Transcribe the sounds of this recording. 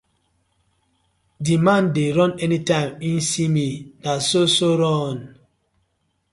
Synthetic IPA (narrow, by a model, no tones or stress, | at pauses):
dimãndeɾɔ̃nɛnitãminsiminasosoɾɔn